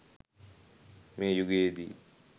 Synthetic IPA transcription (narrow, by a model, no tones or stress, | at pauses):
mẽːjuɡeːd̪ḭː